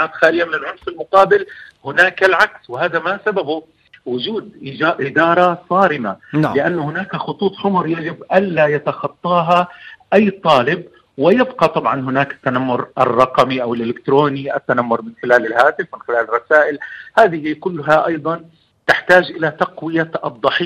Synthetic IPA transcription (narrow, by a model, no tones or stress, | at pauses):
mabxaːlɪjamɪnɪlʕʊnfɪlmʊqɑːbɪlhʊnaːkalʕakswɪhaːðamasababʊ | wʊd͡ʒuːd̪ʔɪd͡ʒaːʔɪd̪ɑːɾˤɑsˤɑːɾɪmalɪʔanːʊhʊnaːkaxʊt̪ˤuːt̪ˤħʊmʊɾjad͡ʒɪbʔanlajat̪ɑxɑt̪ˤːɑːɦaʔajːt̪ˤɑːlɪb̚ | wɪjɪbqɑt̪ˤɑbʕɑnɦʊnaːkɪ̥t̪ːanamːʊɾʔɪ̰rˤːɑqɑmiʔawɪlʔɪlɪkt̪ɾoːniʔat̪ːanamːʊɾˤmɪnxɪlaːlɪlɦaːt̪ɪfmɪnxɪlaːlrˤːɑsaːʔɪlhaːðɪhiːkʊlːɦaʔɑjd̪ˤɑn | t̪ɪħt̪aːd͡ʒʔɪlat̪ɑqwɪjad̪ˤːɑħi